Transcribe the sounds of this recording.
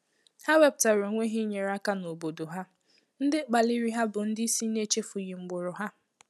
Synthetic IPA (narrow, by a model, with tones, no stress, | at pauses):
ha˦we˦b̚ta˨ɾo˨˦ŋʷe˦ɦi˦ɲe˨ɾa˦ka˦no˨bo˨do˨ɦa˦ | n̩˦dɪ˦k͡pa˨li˦ɾi˦ɦa˦bʊ˨n̩˦dɪ˦i˦si˦ne˦t͡ʃe˦fʊ˨ji˨ŋ͡m̩˨ɡ͡bʊ˨ɾʊ˨ɦa˦